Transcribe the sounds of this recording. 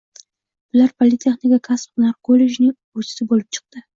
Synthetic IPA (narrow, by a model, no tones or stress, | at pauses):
b̥ʊlaɾpʰolʲɪt̪ʲʰeχnɪkʲakʰasnaɾkʰolːe̞d͡ʒnɪŋ | ɵzɪ̥sɪbolɪp̚t͡ʃʰɨ̥q̚t̪ɪ